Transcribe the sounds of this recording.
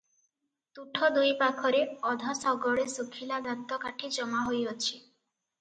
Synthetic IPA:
t̪uʈʰɔd̪ujpakʰɔɾeɔd̪ʱasɔɡɔɭesukʰilad̪at̪ːɔkaʈʰid͡ʒɔmaɦojɔt͡ʃʰi

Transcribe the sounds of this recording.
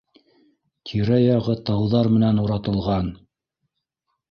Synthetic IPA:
t̪ʰiɾæjɑʁɤt̪ɑwðɑɾmɘ̆nænuɾɑt̪ɤ̆lˠʁɑn

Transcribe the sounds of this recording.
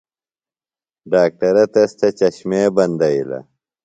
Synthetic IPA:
ɖaːk̚ʈɐɾɐt̪ɐst͡ɕɐt͡ɕɐɕmeːbɐnd̪ɐilɐ̰

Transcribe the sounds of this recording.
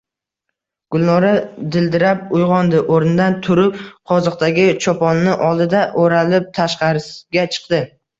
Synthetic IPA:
ɡ̥ʊlˠnɒɾad̪ɪld̪ɪɾap̚ʊjʁɒnd̪ɪʔoɾnɪd̪ant̪ʰʊɾɪp̚qʰɒzɒq̚t̪ʰaɡʲɪt͡ʃʰɒpʰɒnːɪʔɒlˠd̪ɪd̪aʔoɾalɪp̚t̪ʰaʃqɑɾɪsɡʲat͡ʃʰɨ̥qd̪ɪ

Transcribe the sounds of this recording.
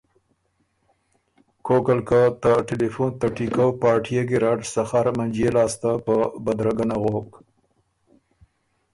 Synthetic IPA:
kʰokalkat̪əʈelefunt̪aʈikawpɑːʈʰijeɡeɾɑʈsaxaɾmand͡ʒjelɑst̪apəbad̪ɾaɡanaɣok

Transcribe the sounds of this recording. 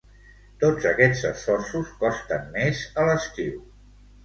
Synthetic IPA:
t̪od͡zəkɛ̥d͡zəsfɔrsuskɔst̪əmːezələst̪iw

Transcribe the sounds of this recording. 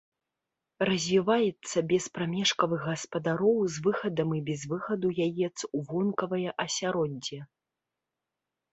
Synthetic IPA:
rɐzʲvʲivajɛt̪sːɐbʲɛspɾamʲɛʂkɐvɨɣɣɐspɐd̪aɾɔwzvɨxɐd̪ɐmibʲɛzvɨxɐd̪ujajɛt̪suvɔnkɐvɐjɐʔɐsʲaɾɔd͡zʲːɛ

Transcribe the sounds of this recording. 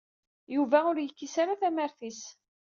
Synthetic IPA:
juvæʊɾjəkːisaɾaθæməɾθis

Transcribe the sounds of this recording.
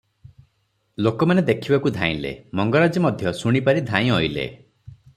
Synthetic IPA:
lokɔmaned̪ekʰibakud̪ʱãḭ̃lḛmɔŋɡɔɾad͡ʒimɔd̪ʱjɔsuɽ̃ipaɾid̪ʱãj̃ɔjlḛ

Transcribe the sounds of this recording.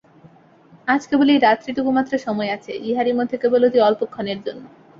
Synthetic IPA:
ad͡ʑkeboleejɾat̪ːɾiʈukumat̪ːɾaʃɔmɔeat͡ɕʰeʔiɦaɾimod̪ʱːekebolod̪iɔlpokʰːɔneɾd͡ʑonːo

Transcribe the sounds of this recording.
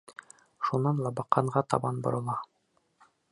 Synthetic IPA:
ʃunːɑnlˠɑbɑqːɑɴʁɑt̪ɑ̰bɑnbŏ̰ɾɤ̆lˠɑ

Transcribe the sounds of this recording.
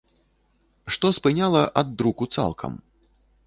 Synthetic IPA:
ʂt̪ɔspɨnʲalˠɐʔɐd̪ːɾukut̪sa̰lˠkʰɐ̰m

